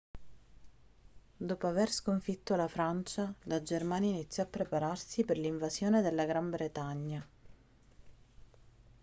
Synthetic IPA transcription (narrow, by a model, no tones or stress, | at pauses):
d̪oːpoaverskoɱfit̪ːolafɾant͡ʃalad͡ʒermaːnjainit̪sːjɔapːɾepaɾarsiperliɱvazjoːned̪elːaɡɾambɾet̪aɲːa